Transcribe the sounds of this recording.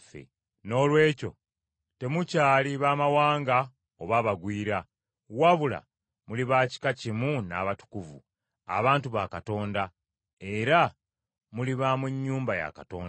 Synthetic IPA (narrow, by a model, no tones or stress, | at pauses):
fḛ | no̞ːlwe̞ːco̞̰ | te̞mucaːliβaːmawaːŋɡa | oβaːβaɡwiːɾa | waβula̰ | muliβaci̥kacimuna̰ːβatu̥kuvṵ | a̰βaːntuβakato̞ːnda | e̞ɾa | muliβamweɲːuːmbaja̰kato̞̰ːn